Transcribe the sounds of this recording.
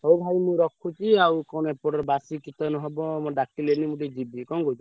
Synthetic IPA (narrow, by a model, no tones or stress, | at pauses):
ɦowbʱajmũɾɔkʰut͡ʃʰiawkɔnɔepɔɽɔɾebasikit̪ɔnɔɦebɔmɔɖakilenimũɖed͡ʒibikɔŋɡowt͡ʃʰu